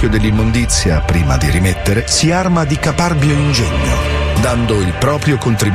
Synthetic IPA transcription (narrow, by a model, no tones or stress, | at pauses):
jod̪elːimːond̪it̪sːjapɾiːma̰d̪iɾimet̪ːeɾesiarmad̪ikaparbjoind͡ʒɛɲːo̰d̪and̪oilpɾɔːpɾjokont̪ɾi